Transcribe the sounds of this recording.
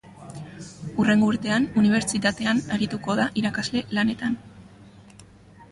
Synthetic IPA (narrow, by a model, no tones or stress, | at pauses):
ure̞ŋɡouɾt̪e̞anuniβ̞e̞ɾt͡ʃit̪at̪e̞anaɾit̪uko̞ð̞aʔiɾakazle̞lane̞t̪an